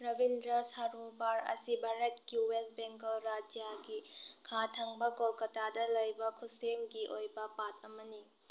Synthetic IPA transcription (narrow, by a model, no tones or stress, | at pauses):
ɾɐbindɾɐsaɾobaɾɐ̰sibʱaɾet̚kiwesbeŋkɐlɾad͡ʒijaɡikʰatʰaŋbɐɡolkɐtadɐlɐjbɐkʰusemɡiʔojbɐpatɐmɐni